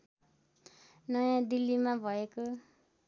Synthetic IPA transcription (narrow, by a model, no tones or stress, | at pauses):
nʌjãd̪ilːimabʱʌeko